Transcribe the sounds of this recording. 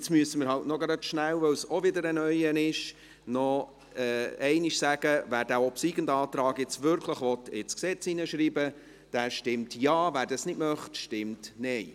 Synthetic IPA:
ɪt͡smyəsəməɾɦɑwtnɔɡɾnœtʃnæwʋœwsɔvʋɪdəɾənœjənɪʃ | nɔ | ɛɛɪniʃsæɡ̥əvæːɾd̥æːɔpsiːɡəndɑːt̪ɾɑːɡjɪt͡svʏɾkʰləχʋɔtɪt͡sksɛt͡sinəʃɾiːbə | d̥æʃtɪmtjɑːvæːɾdɑsnɪdmœχtʃtɪmtnɛɪ

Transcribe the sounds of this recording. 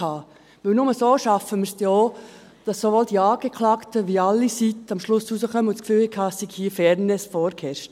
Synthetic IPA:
ɑː | ʋɪlnʊməsoːʃɑfəməɾstɛo | d̥ɑsːoʋold̥iɑːɡ̥eklɑːktəʋiɑlːisitɑmʃlʊsusəχœməʊntt͡skfyːlɪkʰɑːssiɡhiːfɛɾnesfɔːɾkʰhɛʃt

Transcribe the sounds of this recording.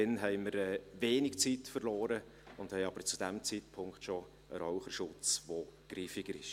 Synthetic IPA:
dɛnɦɛɪməɾɛːveːnɪkt͡sitfərlɔːɾə | ʊnd̥̪hɛɪɑb̥əɾt͡sud̥æmt͡sitpʰʊŋkχtʃo | ə̰ɾɔʊχəɾʃʊt͡sʋoɡ̥riːfɪɡ̥əɾɪʃ

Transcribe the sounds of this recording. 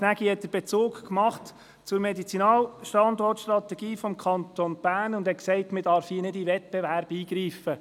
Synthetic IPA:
næɡihɛt̚d̥̪əb̥ɛt͡soːkkmɑχt | t͡sʊɾmɛdit͡sinɑːlʃtɑnd̪ɔrtʃtɾɑtɛɡiːfɔmkʰɑnt̪onb̥æːnʊnd̥̪ɛtksɛɪtmɪdɑɾfiːənɪdivɛt̚b̥ɛvæɾb̥iːɡɾiːfə

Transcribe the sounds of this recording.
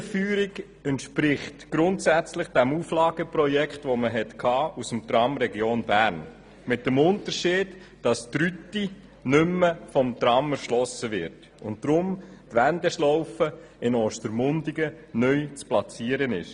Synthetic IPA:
fyːɾiɡ | əntʃpɾɪχtɡ̥ɾʊntsæt͡slɪχd̥ɛmuːflɑːɡ̥əprɔjɛkχtʋoməɦɛtkʰɑːʔusəmt̪ɾɑmɾɛɡjoːnbæːɾn | mɪt̚dəmʊntəɾʃiːd̥ | d̥ɑstɾytːi | nʏmːəfɔmtɾɑmæɾʃlɔsəʋɪɾt | ʊnt̚d̥ɾʊmtʋændɛʃlɔwfə | ɪnɔːʃtəɾmʊndiɡə | nœjt͡splɑt͡siːəɾənɪ̰ʃ

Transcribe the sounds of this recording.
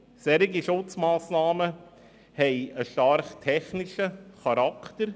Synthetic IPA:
sɛɾɪɡiʃʊt͡smaːsnaːmə | hɛɪəʃtɑɾχtʰɛχnɪʃəχɑɾɑktəɾ

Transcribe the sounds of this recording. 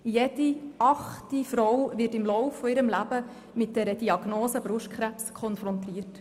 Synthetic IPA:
jed̥iɑχtifɾɔwʋɪtɪmlɔʊfːɔɪɾəmlæb̥ə | mɪt̚d̥ɛɾəd̥iɑɡ̥noːsəbɾʊʃtkʰχɾæpskʰχɔnfɾɔntɾiːərt

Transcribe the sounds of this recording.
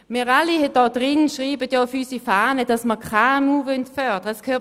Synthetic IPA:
miːʁɑlihɛd̥ɔːd̥ʁɪnʃʁiːbətjɔːfyːsifaːnəd̥ɑsməkʰamuːvœntfœɐd̥əʁəskʰøː

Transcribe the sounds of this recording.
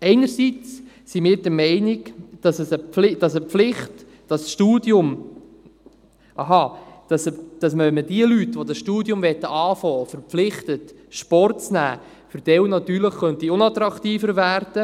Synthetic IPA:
ɛɪnəɾsit͡s | simɪːɾdəmɛɪniɡd̥ɑsəsəlɪd̥ɑsəflɪχt | d̥ɑsʃtuːdjʊm | ʔɑɦɑd̥ɑsəd̥ɑsmœmːəd̥iəlytːʋodɑsʃtuːdjʊmvɛt̪ːəʔɑːfɔːfəɾpflɪχt̪ət | ʃpɔrt̚t͡snæ̰ː | fʏɾd̥ɛwnɑt̪yːɾləχχœnt̪iʊnɑt̪ɾɑktiːfəɾvæːrd̥ə

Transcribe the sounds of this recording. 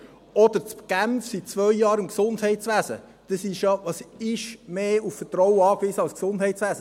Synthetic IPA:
ɔd̥əɾt͡spɡ̥æmfsit̚t͡svœjjɑːɾɪmksʊndhɛɪtsʋæːsə̰ | d̥əsiʃɑʋɑsɪʃmeːuffəɾtɾɔwəɑːkviːsəɑlsksʊndhɛɪtt͡sʋæːsə

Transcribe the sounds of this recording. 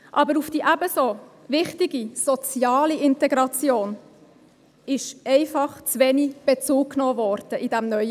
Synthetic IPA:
ʔɑbəɾufd̥iːʔæbəso | vɪχtiɡisɔt͡sjɑːliɪntɛɡɾɑt͡sjoːn | ɪʃʔɛɪfɑχt͡svɛnib̥et͡suːkkːnoːvɔːɾd̥əʔid̥æmnœʏ

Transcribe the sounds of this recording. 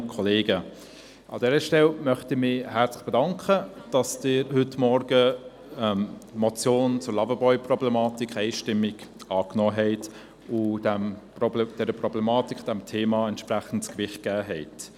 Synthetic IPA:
kʰɔleːɡə | ʔɑ̰dɛːɾəʃtɛlmœχtɪmɪhɛɾt͡slɪχb̥ɛdɑŋkχəd̥ɑsd̥ɪːɾhʏtmɔɾɡə | ɛmmɔt͡sjoːnt͡sʊɾlɑvəbɔʏprɔblɛmɑːtikʰɛɪʃtɪmɪɡɑːknɔːɦɛɪt | ʊdɛmpɔbd̥ɛɾəprɔblɛmɑːtikχd̥ɛmtʰeːmɑɛntʃpɾæχən̩tskvɪχt̚ɡ̥æːɦɛɪt

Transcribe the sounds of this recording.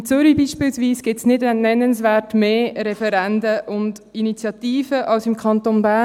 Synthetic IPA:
t͡sʏɾibiːʃpilsʋiːsɡ̥ɪtsnɪdɛnnɛnənsvɛːɾtmeːɾɛfɛɾɛndəʔʊnd | init͡sjɑtiːfəʔɑlsɪmkʰɑnt̪onbæ

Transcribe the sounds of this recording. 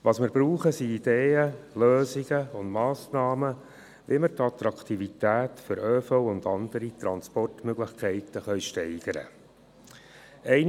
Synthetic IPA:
ʋɑsmɪɾbɾuːχəsiid̥̪eːəløːziɡ̥əʊndmɑːsnɑːmə | ʋiməɾt̪ɑt̪ɾɑkʰt̪ivit̪æːtfʏɾøːfɔʊʊnd̪ɑnd̪əɾit̪ɾɑnspɔrtmøɡlɪχkʰɛɪtəχœʏɥʃtɛɪɡ̥əɾə̰ | ɛɪn

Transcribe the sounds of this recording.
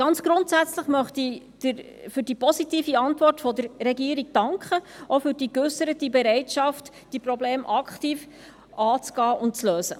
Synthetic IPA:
ɡ̥ɑnt͡sɡ̥ɾʊntsæt͡sləχmœχti | d̥ɪɾ | fɵɾdipɔsitiːfiɑntvɔrtfɔdəɾːɛɡiːɾiɡ̚d̥ɑŋkχəʔofʏɾdikʏsəɾətibɛɾɛɪtʃɑft | d̥iprɔbleːmʔɑkχtiːf | ʔɑːt͡sɡ̥ɑːʔʊnt̚t͡sløːsə

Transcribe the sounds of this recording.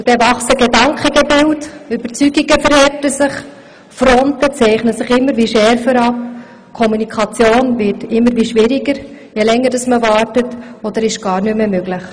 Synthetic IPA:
d̥ɛvɑχsəɡedɑŋkχəɡɛbɪltʏbəɾt͡syɡiɡəfəɾhɛtəsɪχ | fɾɔntət͡sɛɪχnəsɪχɪmːəɾʋiːʃɛɾfəɾɑp̚ | kʰɔmunikʰɑt͡sjoːnvɪtɪmːəɾʋiːʃʋɪɾiɡəɾ | jɛlɛŋːəɾd̥ɑsməvɑːrtətɔd̥̪əɾɪʃɡ̥ɑːɾnymːemøɡlɪχ

